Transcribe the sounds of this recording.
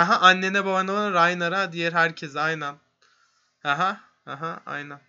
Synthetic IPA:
haɦaʔanːenɛbabanavanɯɾajnaɾad̪ijeɾɦæɾcʰezajnæn | haɦa | haɦaa̰jnæn

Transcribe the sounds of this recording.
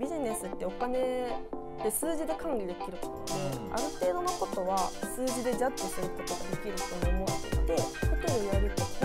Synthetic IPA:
bʲiʑine̞sɨt̪ːe̞o̞kane̞ | d̪̥e̞sɨːd͡ʑid̪e̞kãŋɡʲid̪e̞kʲiɾɯ̟t̪omod̪ea̰ɾɯt̪e̞ːd̪o̞noko̞t̪o̞βasɨːd͡ʑid̪e̞d͡ʑaisɨɾɯt̪ːot̪oɡad̪e̞kʲiɾɯt̪omoːmoat̪ːḛt̪e̞tɯt̪eɾoiaɾɯt̪ːo

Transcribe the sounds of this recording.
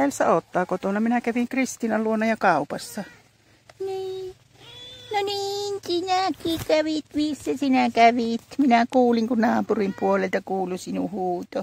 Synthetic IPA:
ælsæ̰ot̪ːɑːkot̪onɑminækæʋiŋkrist̪iːnɑlluonːɑjɑkɑˑupɑsːɑ | niː | noniːnsinækiːkæʋit̪misːæsinækæʋit̪minækuːliŋkunnɑːpurimpuolelt̪ɑkuːlusinuhuːt̪o

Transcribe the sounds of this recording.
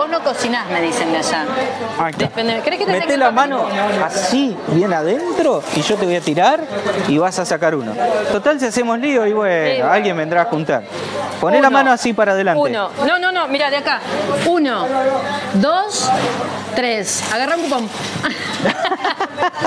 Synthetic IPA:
boznokosinazmeðisemeaʃaajkefend̪eekɾekeemet̪elamãnoasiβjenaðent̪ɾo̞iʒot̪e̞βo̞jat̪iɾaɾiβasasakaɾuno̰t̪o̞t̪als̬iasemoslioiβwealɣjembe̞nd̪ɾaxunt̪a̰ɾ | ponelamãnoasipaɾaðe̞lanunonononomiɾaðeakauno | ðos | t̪ɾesaɣaraũŋkupam

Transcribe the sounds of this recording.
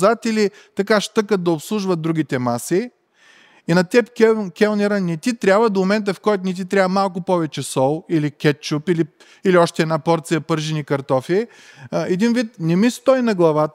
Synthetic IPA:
zat̪ili | t̪ɐkaʃt̪ɤkət̪̚d̪ɐopslˠuʒvɐt̪̚d̪ɾuɡʲit̪ɛmasi | inɐt̪ɛpkɛkʲɛlˠnɛɾanɛt̪it̪ɾʲabvəd̪omomɛnt̪əfkɔjt̪ʊnɛt̪̬it̪ɾʲjabvəmalˠk̬ʊpɔvɛt͡ʃɛsɔlˠilikʲɛt̪̚t͡ʃupili | iliɔʃt̪ɛːd̪napɔɾt̪sijɐpɤɾʒɛnikɐɾt̪ɔfi | ɛd̪invit̪nɛmist̪ɔjnɐɡlˠɐvat̪

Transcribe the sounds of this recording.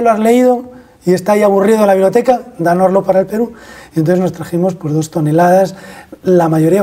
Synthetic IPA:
loazle̞iðo̞ | ie̞st̪ajaβuriðolaβiβljo̞t̪ekad̪anozlopaɾaelpe̞ɾuent̪oθezno̞st̪ɾaxemo̞spwe̞zðo̞st̪o̞ne̞laðaslamaʝo̞ɾia

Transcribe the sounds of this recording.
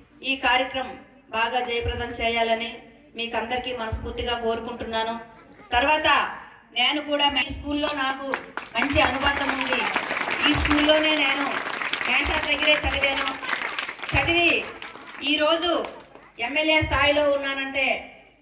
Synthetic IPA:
iːkaːɾjɐkɾɐm | baːɡaːd͡ʒɐjɐpɾɐd̪ɐmt͡ʃɛːjaːlɐni | miːkɐnd̪ɐɾikiːmɐnɐspuːɾt̪iɡaːko̞ːɾukuɳʈunːaːnu | t̪ɐɾʋaːt̪ɐ | ne̞ːnukuːɽaːmɐskuːlːo̞ːnaːkumɐɲt͡ʃiɐnubɐt̪ːɐmund̪iiːskuːlːo̞ːne̞ːne̞ːnumɛːɳʈɐɾd̪ɐɡːɐɾe̞ːt͡ʃɐd̪iʋeːnu | t͡ʃɐd̪iʋi | iːɾo̞ːd͡ʒu | emːelje̞ːst̪ʰaːjlo̞ːunːaːnɐɳʈe̞ː

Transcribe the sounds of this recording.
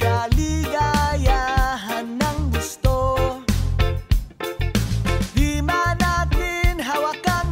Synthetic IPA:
kalɪɡajaɦanːɐŋɡʊst̪o | d̪imanat̪ɪnɦawakan

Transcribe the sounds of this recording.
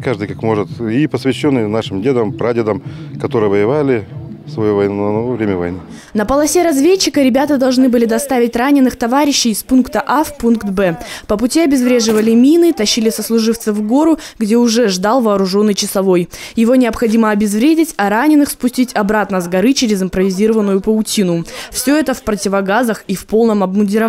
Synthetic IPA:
kaʐd̪ɨjkakmo̞ʐɨt̪ipəsvʲɪɕːonːɨjnaʂɨmdʲed̪əmpɾadʲɪd̪əmkɐt̪oɾɨjəvəjɪvalʲɪsvɐjuvɐjnunɐnɐovɾʲemʲəvɐ̰jnɨ | nəpəlˠɐsʲe̞ɾɐzvʲet͡ɕːɪkəɾʲɪbʲat̪əd̪ɐlˠʐnɨbɨlʲɪd̪ɐst̪avʲɪt̚ʲranʲɪnːɨxt̪ɐvaɾʲɪɕːɪɪspunkt̪əʔafpunkt̪bɛpəpʊtʲiɐbʲɪzvɾʲeʐɨvəlʲɪmʲinɨt̪ɐɕːilʲɪsəslˠʊʐɨft̪səvɡo̞ɾʊɡdʲeʊʐɛʐd̪alˠvɐːɾʊʐo̞nːɨjt͡ɕɪsɐvo̞jjɪvo̞nʲɪəpxɐdʲiməɐbʲɪzvɾʲedʲɪtʲɐɾanʲɪnɨxspʊsʲtʲitʲɐbɾat̪nəzɡɐɾɨt͡ɕɪɾʲɪzɪmpɾəvʲɪzʲiɾəvənːʊjʊpəʊtʲinʊfsʲɵɛt̪əfpɾətʲɪvɐɡazəxifpo̞lˠnəmɐbmʊnʲdʲɪɾɐ

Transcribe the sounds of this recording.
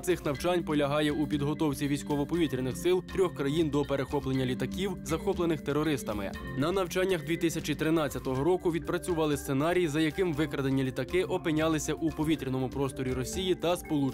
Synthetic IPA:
t̪sɪxnɐwt͡ʃɑnʲpɔlʲɐɦɑjɛupʲid̪ɦɔt̪ɔwt͡sʲiʋʲijsʲkɔʋɔpɔʋʲit̪ɾʲinɪxsɪlˠt̪ɾʲɔxkɾɐjind̪ɔpe̞ɾexɔplenʲːɐlʲit̪ɐkʲiwzɐxɔplˠenɪxt̪erɔɾɪst̪ɐmɪ̰ | nɐnɐwt͡ʃɑnʲːɐɣd̪ʋʲit̪ɪsʲɐt͡ʃit̪ɾɪnɑt͡sʲɐt̪ɔɦɔɾɔkʊʋʲid̪̚pɾɐt͡sʲʊʋɑlˠɪst̪senɑɾʲijzɐjɐkɪmʋɪkɾɐd̪ɐnʲːɐlʲit̪ɐkɪʔɔpɪnʲɑlˠɪsʲɐʔupɔʋʲit̪ɾʲinɔmʊpɾɔst̪ɔɾʲiɾɔsʲijit̪ɐspɔlˠu

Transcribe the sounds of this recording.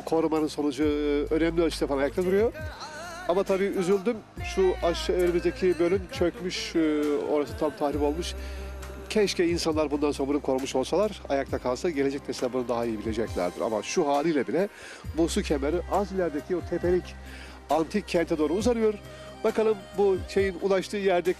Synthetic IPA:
kʰo̞ɾumanɯnso̞nud͡ʒuø̞nɛmlʲioʃt̪ʰefanajak̚t̪ʰad̪uɾujo̞ | amat̪ʰabiːyzylʲd̪ym | ʃuaʃeɾimizd̪ecʰibølʲymt͡ʃʰø̞cmyʃ | o̞̰ɾasɯt̪ʰamt̪ʰaːɾipo̞lˠmuʃ | cʰɛʃcɛinsanlˠaɾbund̪ansobunɯkʰo̞ɾmuʃo̞lˠsalˠaɾa̰jakt̪ʰakʰalˠsaɟe̞lʲe̞d͡ʒɛcneseabunud̪aɦaijibilʲe̞d͡ʒɛclʲæ̰ɾd̪ḭɾa̰ma̰ʃuɦaːlʲˠɯjlʲˠabilʲɛ | busucʰemeɾiʔazilʲæɾd̪ecʰiot̪ʰepe̞lʲic | ant̪ʰicʰːɛnt̪ʰɛd̪o̞ːɾuːzanɯjo̞ɾ | bakʰalˠɯmbuʃe̞jinṵlˠaʃt̪ʰɯːjæɾd̪ɛ

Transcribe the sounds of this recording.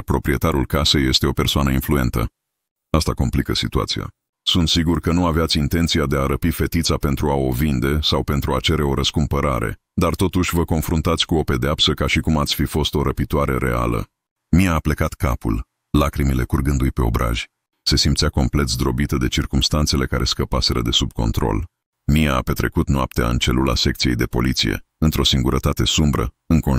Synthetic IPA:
rpɾo̞pɾie̞t̪aɾulkase̞je̞st̪e̞o̞pe̞rsoanəinflue̞̰nt̪ə̰ | ast̪a̰ko̞̰mplikəsit̪ua̰t̪sija̰ | sunt̪siɡurkənuaveat̪sʲint̪e̞nt̪sijad̪e̞aɾəpife̞t̪it̪sape̞nt̪ɾuao̞vind̪e̞sawpe̞nt̪ɾuat͡ʃe̞ɾe̞o̞ɾəskumpəɾa̰ɾe̞̰ | d̪art̪o̞t̪uʃʲvəko̞nfɾunt̪at̪sʲkuo̞pe̞d̪eapsəkaʃikumat̪sʲfifo̞st̪o̞ɾəpit̪uaɾe̞̰ɾe̞̰a̰lə̰ | miaːple̞kat̪kapṵl | lakɾimile̞kurɡɨnd̪ujpe̞o̞̰bɾa̰ʒ̥ʲ | se̞simt̪sjako̞mple̞t̪sd̪ɾo̞bit̪əd̪e̞t͡ʃirkumst̪ant̪se̞le̞kaɾʔe̞skəpase̞ɾəd̪e̞sub̚ko̞nt̪ɾo̞̰l | mijaːpe̞t̪ɾe̞̰kut̪noap̚t̪ea̰ɨ̰nt͡ʃe̞lula̰se̞k̚t̪sije̞jd̪e̞po̞̰lit̪sḭje̞̰ | ɨnt̪ɾo̞siŋɡuɾʔət̪at̪e̞sumbɾə̰ | ɨŋko

